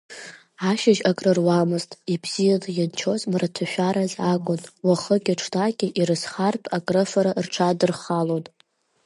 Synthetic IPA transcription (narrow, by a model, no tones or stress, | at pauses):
aʃɪʒakʼrɨrwamɨztʼibz̥ijanajant͡ʃʰo̞zmratʰaʃᶣaɾazakʷʼʊnwaχəɡʲaʈ͡ʂʰtʰʼaɡʲɪʔirɨsχartʼakʼrɨfaɾarʈ͡ʂʰadɨrχalon